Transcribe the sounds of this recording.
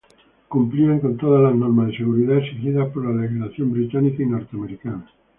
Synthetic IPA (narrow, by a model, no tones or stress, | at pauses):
kumplieŋkont̪oð̞azlaznoɾmazðeseɣ̞uɾiðaesixiðaspoɾlalexilaθjombɾit̪anikainoɾt̪eameɾikana